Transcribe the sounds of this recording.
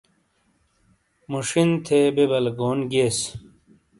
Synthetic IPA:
muʂint̪ʰeːbebɐlɡoːnɡeːs

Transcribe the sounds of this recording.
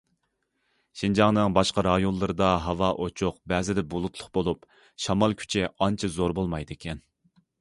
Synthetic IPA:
ʃind͡ʒɑŋnɨŋbɑʃqɑɾɑjonlˠɨɾɨd̪ɑɦɑvɑʔot͡ʃʰuqbɛːzɪd̪ɛbulˠut̪ʰlˠʊχbolˠup | ʃɑmɑlˠkʲʰy̥t͡ʃʰɪɑnt͡ʃʰɑzoɾbolˠmɑjd̪ɪkʲʰɛn

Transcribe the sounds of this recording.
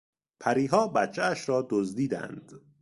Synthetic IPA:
pʰæɾiːɦɒːbæt̪t͡ʃʰeæʃɾɒːd̪ozd̪iːd̪æ̰nd̪̥

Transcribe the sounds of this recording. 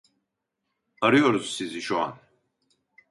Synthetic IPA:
ɐɾiɔɾzsiziʃɔa̰n

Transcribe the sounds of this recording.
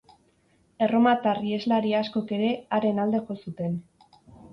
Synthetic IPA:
e̞ro̞mat̪arie̞zlaɾiasko̞ke̞ɾe̞aɾe̞nald̪e̞ʝo̞sut̪e̞n

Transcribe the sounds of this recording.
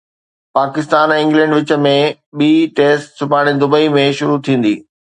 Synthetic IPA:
paːkɪst̪aːnɛ̃ɪ̃ŋɡlɛ̃ːɳɖʋɪt͡ɕə̆mẽ | ɓiːʈeːsʈsʊpaːɽ̃ed̪ʊbəimẽʃʊɾut̪ʰĩːn̆d̪ḭː

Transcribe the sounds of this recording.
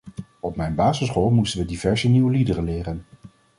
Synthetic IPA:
ɔpmɛjnbaːzəsχɔlˠmustənʋədivɛɹzəniwəlidərənlɪːrən

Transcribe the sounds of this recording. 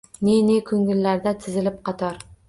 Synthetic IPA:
nenekʰɵŋːɪlːaɾd̪at̪ʰɪzɪlɪp̚qʰɑt̪ʰɒɾ

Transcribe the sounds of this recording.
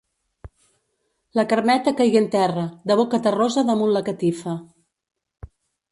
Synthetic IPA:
ləkəɾmɛt̪əkajɣiənt̪ɛrəd̪əβokət̪ərozəðəmunləkət̪ifə

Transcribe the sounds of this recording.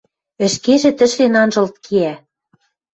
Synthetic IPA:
ɘ̆ʃkeʒĕt̪ɘ̆ʃlenɑnʒɤ̆lt̪̚kʰiæ

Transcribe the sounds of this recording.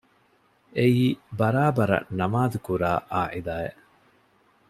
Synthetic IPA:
eiːbɐɾaːbɐɾɐ̰nɐmaːd̪ukuɾaːʔaːʕid̪aːeʔ

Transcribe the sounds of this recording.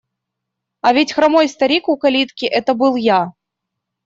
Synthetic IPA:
ɐvʲitʲxɾamojst̪ɐɾʲikukɐlʲit̪kʲiʔɛt̪əbɨlˠja

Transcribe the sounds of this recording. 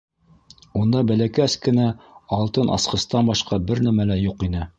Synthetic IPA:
und̪ɑbælækæskɘ̆næɑlˠt̪ɤnʔɑ̰sqɤ̆st̪ɑnbɑʃqɑbɘɾnæmælæjuqinɘ

